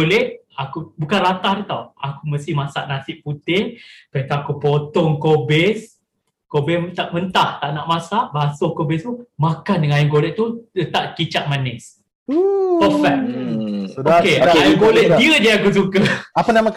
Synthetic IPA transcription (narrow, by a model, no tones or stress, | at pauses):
olɛhʔ | akubukanrat̪ahdut̪awakuməst̪ihmasa̰ʔnasɪʔput̪ɪŋkənt̪aakupot̪ɔŋkobɛs | kobɛt̪aʔmənt̪aht̪aʔnaʔmãsaʔbasokobɛst̪umãkandəŋaajəmɡolɛʔ̚t̪ut̪ət̪aʔkit͡ʃaʔ̚manɛs | pəfɛk̚ | okeajəŋɡolɛʔ̪̚diəd͡ʒaakus̬ukəapanamã